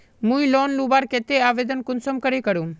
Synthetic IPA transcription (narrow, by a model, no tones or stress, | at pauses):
mũːĩloːnlubaːɾkeːt̪eaːʋeːd̪ənkʊnsəmkəɾekəɾũː